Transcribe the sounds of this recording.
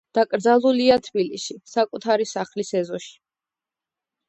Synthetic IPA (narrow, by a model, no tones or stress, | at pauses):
d̪̥akʼɾd̪zalˠuliat̪ʰbiliʃisakʼut̪ʰaɾisaχlisɛzɔʃi̥